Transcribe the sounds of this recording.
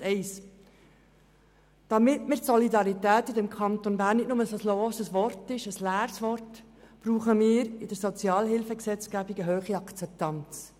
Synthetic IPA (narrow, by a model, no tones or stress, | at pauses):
ɛɪs | d̥ɑmɪtmɪɾtsɔlidɑɾitæːtidɛmkʰɑnt̪onbæːɾnːɪtnʊməsosloːsəsʋɔrtɪʃəslæːɾsʋɔrt | b̥ɾuːχəmɪːɾɪdəɾsɔt͡sjɑːlɦɪlfəksɛt͡skæbiɡəɦøːχiɑkt͡sɛp̚t̪ɑnt͡s